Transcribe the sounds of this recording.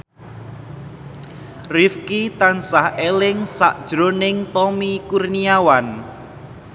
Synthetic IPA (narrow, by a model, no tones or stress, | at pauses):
rifkit̪ansahelɪŋsa̰ʔd̥ʒ̥ɾonɪŋt̪ɔmikurniawan